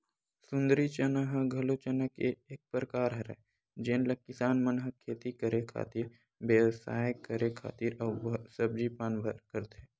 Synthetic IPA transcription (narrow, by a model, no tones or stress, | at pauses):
sʊ̃nd̪əɾit͡ʃənəɦɡʱɐlut͡ʃənəkeeːk̚pɾəkaːɾɦɐɾɛ̰ | d͡ʒeːnlɐkɪsaːnmɐnɦəkʰːeːt̪ikəɾekʰa̰ːt̪iːɾ | ʋeːʋsaːjkəɾekʰa̰ːt̪iːɾɐʋsɐb̚d͡ʒiːpaːnbʱəɾkəɾt̪eː